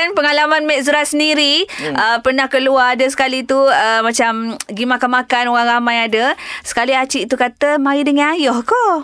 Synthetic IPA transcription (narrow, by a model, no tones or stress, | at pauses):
anpəŋalamanmɛʔzəɾasəndiɾiəpənahkəluaːdəs̬ə̥kalit̪uəmãt͡ʃamɡimakanmakanoɣaŋramãjadəsə̥kaliat͡ʃiʔt̪ukat̪əmaɾidəŋãnajɔhkɔ